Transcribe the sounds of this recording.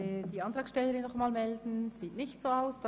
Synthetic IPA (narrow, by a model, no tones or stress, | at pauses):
ɪd̥iːɑnt̪ʁɑːksʃtɛlːəɾɪnːɔχmaːlmɛldn̩z̥iːtnɪçtsoːaʊsd̥